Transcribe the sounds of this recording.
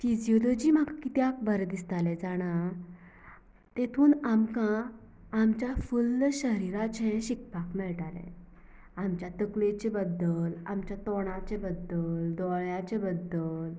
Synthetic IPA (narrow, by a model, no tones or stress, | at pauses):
fid͡ʑiɔlod͡ʑiːmakkit̪jak̚bəɾd̪ist̪alɛd͡zaɽ̃a | t̪et̪ʰuːnamkã | amt͡ɕjafulːɕəɾiɾat͡ɕɛ̃ɕikpakmɛɭʈalɛ̰̃ | amt͡ɕjat̪əklet͡ɕebəd̪ːəlamt͡ɕjat̪ɔɽ̃at͡ɕebəd̪əld̪ɔɭjat͡ɕebəd̪əl